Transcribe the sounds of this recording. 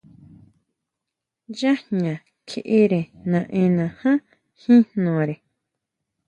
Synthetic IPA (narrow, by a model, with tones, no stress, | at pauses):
ja˦hɲã˨ | kʰe˧ʔe˦ɾe˨nã˨ʔẽ˧nã˨hã˦ | hĩ˦nnõ˨ɾe˨